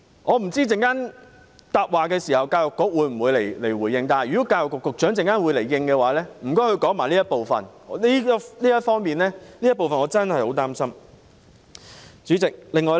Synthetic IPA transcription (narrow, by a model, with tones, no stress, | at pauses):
ŋɔː˨˧m̩˨˩t͡siː˥t͡sɪ˨ŋkaː˥n | t̪aː˨˧p̚waː˨˩kɛː˧siː˨˩hɐ˨wkaː˧jʊ˨kːʊ˨˥k̚wuː˨˧˥m̩˨˩wuː˨˧jle˨˩jle˨˩jwuː˨˩jːɪ˧ŋt̪aː˨jɥy˨˩˨kaː˧jʊ˨kːʊ˨kːʊ˨k̚t͡ʃœ˨˥ŋt͡sɪ˨ŋkaː˥nwu˨˧jle˨˩jjɪ˧ŋkɛː˧waː˨˥lɛː˥m̩˨˩kɔː˥hɵ˧ɥkɔː˨˥ŋmaː˨˩liː˥jɐ˥t̚po˨wfɐ̰˨˩n | ɔ˨˧liː˥liː˥jɐ˥t̚fɔː˥ŋmiː˨˩nlɛː˥liː˥jɐ˥t̚po˨wfɐ˨nɔː˨˧˥t͡sɐ˥nhɐ˨jho̰˨˥wt̪aː˥msɐ˥m | t͡ʃyː˨˥t͡sɪ˨k̚lɪ˨ŋːɔː˨˧j